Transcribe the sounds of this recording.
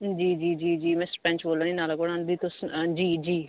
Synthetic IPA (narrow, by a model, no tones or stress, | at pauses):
d͡ʒiːd͡ʒiːd͡ʒiːd͡ʒiːmɛ̃ːspɛ̃ːnt͡ʃboːlãːniːnaːlakoɽãːnd̪iːt̪ʊsd͡ʒiːd͡ʒiː